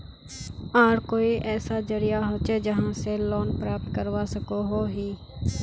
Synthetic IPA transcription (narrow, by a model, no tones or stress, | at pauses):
aːɾkoːiʔɛːsad͡ʒəɾɪjaɦoːt͡ʃed͡ʒəɦãseloːnpɾaːp̚t̪kəɾʋaːsəkoɦoːɦiː